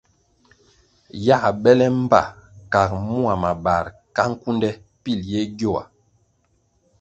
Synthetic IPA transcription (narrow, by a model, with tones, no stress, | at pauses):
ja˦˨ɓɛ˦lɛ˦m˦ba̰˦˨ka˨k̚mu˦a˨ma˨ba˨ɾka˦ŋ̩˦ku˦ndɛ˦ | pi˦˨ljɛ˦ɡjo˦˨wa̰˨